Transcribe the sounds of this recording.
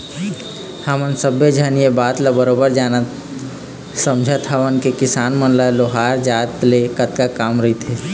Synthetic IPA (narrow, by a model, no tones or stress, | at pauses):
hamənsəbʱjed͡ʒʱaːnijebaːt̪labəɾoːbəɾd͡ʒaːnə | sə̃md͡ʒʱət̪ʰaʋənkekɪsaːnmənlaloːɦaːɾd͡ʒaːt̪lekət̪kakaːmɾəɦit̪ʰeː